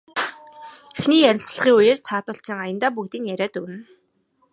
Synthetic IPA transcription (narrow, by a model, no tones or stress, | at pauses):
exniːjæɾʲɪ̆ɬt͡sɮ̆χiːŋujeːrt͡sʰaːt̪ʊ̆ːɬt͡ɕɪ̆ŋajə̆nt̪aːpukt̪iːnjæɾʲæːt̪ɵwɘ̆n